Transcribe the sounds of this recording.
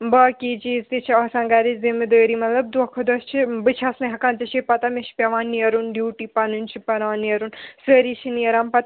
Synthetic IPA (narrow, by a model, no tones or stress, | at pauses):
bɐːkid͡ʒizt̪it͡ʃʰiɐsãŋɡaɾizimid̪əːɾimɐt̪lɐb̚d̪ɐkʰɐd̪ɐst͡ʃʰibɨt͡ʃʰɐsnɐɦɐkãːnzit͡ʃʰipɐt̪ɐmeʃʰi̥pʲɐʋãːnːijɐɾunɖjuːʈipɐnunt͡ʃʰipɐɾaːnːiɐɾunsəːɾit͡ʃʰiniɐɾampɐt̪